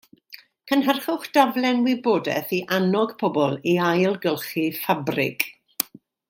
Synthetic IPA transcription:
kʰənɦərχʊχd̥avlˠɛnwɪboːdɛ̰θiʔanɔɡ̥pʰɔbɔlˠiajlˠɡəlˠχifabrɪ̰ɡ

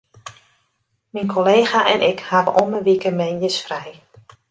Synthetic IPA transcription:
minkʰoleːxaʔɛ̰nʔɪkhavə̰ʔoməʋikəmɛnjəsfrɛj

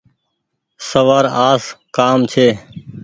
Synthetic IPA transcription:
səʋaːɾaːskaːmt͡ʃʰeː

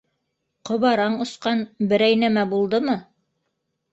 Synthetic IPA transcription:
qŏβɑɾɑɴŏsqɑnbɘ̆ɾæjnæmæbulˠd̪ɤmɤ

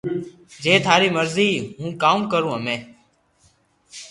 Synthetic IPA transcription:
d͡ʒeːt̪ʰaːɾiːməɾziːɦũːkaːmkəɾũːɦəmẽː

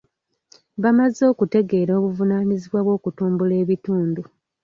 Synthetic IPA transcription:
βamazːo̞ːkute̞ɡe̞ːɾo̞ːβuvunaːniziβwaβwo̞ːkutuːmbule̞ːβituːndu

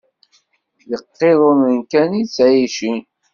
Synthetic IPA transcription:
jəqːeðˤomənkænit͡sːʕiʃi

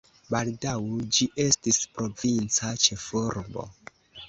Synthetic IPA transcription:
baldawd͡ʒiʔe̞stispɾo̞vint͡sat͡ʃefuɾbo̞̰

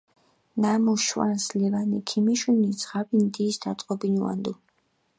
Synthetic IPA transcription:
namuʃwanslivanikʰimiʃunizʁabind̪iːsd̪at̪ʼqʼɔbinuwa̰nd̪u

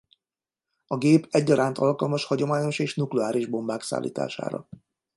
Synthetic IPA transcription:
ɒɡeːpɛɟːɒɾaːnt̪ɒlkɒlmɒʃhɒɟo̞maːɲo̞ʃeːʃnuklɛaːɾiʒbo̞mbaːksa̰ːlːʔḭːt̪a̰ːʃa̰ːɾɒ̰

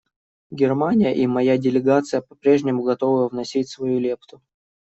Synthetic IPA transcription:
ɡʲɪrmanʲɪjəʔimɐjadʲɪlʲɪɡat̪sɨjəpɐ̥pɾʲe̞ʐnʲɪmʊɡɐt̪o̞vɨjəvnɐsʲitʲsvɐjulʲept̪ʊ

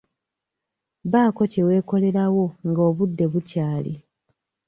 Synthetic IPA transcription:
βaːko̞cewe̞ːko̞le̞ɾawo̞ŋɡo̞ːβudːe̞βucaːlḭ

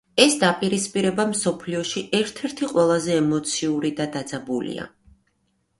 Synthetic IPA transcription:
ɛsd̪apʼiɾispʼiɾɛbamsɔpʰliɔʃiʔɛɾt̪ʰɛɾt̪ʰiqʼwɛlˠazɛːmɔt̪sʰiuɾid̪ad̪ad̪zabulḭa̰

